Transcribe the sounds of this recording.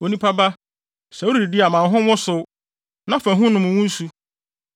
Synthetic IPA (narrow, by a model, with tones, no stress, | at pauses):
o˨nĩ˦pʰa˦ba˦ | sɛ˨o˦ɾi˨i˨di˦a˨mã˨n˦ɦʊ̃˦wɔ̃˦sʊ˨ | nã˦fæ̃˨ɦʊ̃˦nʊ̃˨mʊ̃˨wʊ̃˦n̩˦su˦